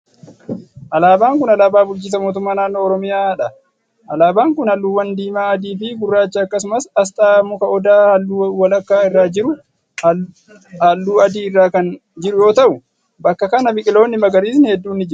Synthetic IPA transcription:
ʔɐlaːbaːŋkʊnɐlaːbaːbʊlt͡ʃɪs̬ɐmo̞ːt̪̬ʊmːaːnaːnːoːɾɔmɪjaːᶑɐ | ʔɐlaːbaːŋkʊnɐlːuːwɐnd̪iːmaːɐd̪iːfɪɡʊrːaːt͡ʃːɐːkːɐs̬ʊmɐsɐst̪ʼaːmʊkɐʔɔd̪aːhɐlːuːwɐlɐkːaːɪrːaːd͡ʒɪɾʊ | hɐlːuːɐd̪iːɪrːaːkɐn | d͡ʒɪɾʊjo̞ːt̪ɐʔʊ | bɐkːɐkɐnɐbɪkʼɪlo̞ːnːɪmɐɡɐɾiːs̬nɪhɛd̪ːuːnːɪd͡ʒɪɾʊ

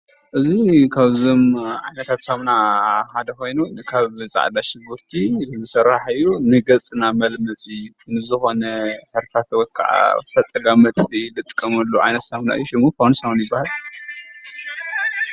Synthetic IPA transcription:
ʔɨzikʰaβzomʕajnɐt̪ʰat̪saβnahad̪ɐko̞jnunɨkʰaβzʼa̰ʕd̪aʃɪɡuɾt̪ʰizɨsɐɾːaħɨjːunɨɡɐt͡sʼɨnamɐlmɐsʼɨjːunɨzɨxo̞nɐħɨɾfʰat̪wɔt̪̚kʰa̰ʕa̰fɐt̪ʼɐɡamɐt̪ʼilɨt̪ʼɨ̥kʼːɐmɐlːoʕa̰jnɐt̪saβna̰ʔɨ̰jːuʃɪmukʰawnsɐwnjɪbːahal

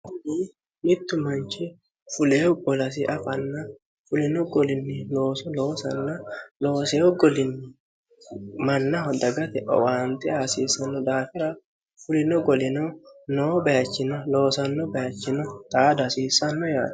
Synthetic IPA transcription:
kʊniː | mɪt̪ːʊmɐnt͡ʃɪ | fʊleːɡɔlɐs̬ɪʔɐfɐnːɐ | fʊlɪnɔɡɔlɪnːɪloːsɔloːsɐnːɐloːseːɔɡɔlɪnːɪ | mɐnːɐhɔd̪ɐɡɐt̪ɛʔɔ̰waːnt̪ɪaːsiːsɐnːɔd̪aːfɪɾɐ | fʊlɪnɔɡɔlɪnɔnoːbɐjɐt͡ʃːɪnɐlo̞ːsɐnːɔbɐjɐt͡ʃːɪnɔt̪ʼaːd̪ɐsiːsːɐnːɔja̰ːd̪

